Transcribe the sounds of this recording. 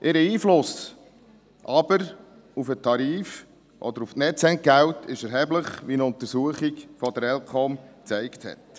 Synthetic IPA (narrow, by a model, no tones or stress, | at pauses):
ʔɪɾəiːflʊs | ʔɑb̥əɾ | ufətʰɑɾiːf | ʔɔ̰d̪əɾuftnɛtt͡sɛŋt̚ɡæwtʰɪʃɛɾɦɛbləχʋinəʊnt̪əɾsuəχiɡfɔd̪əɾɛlkʰɔmt͡sɛɪkthɛ̰t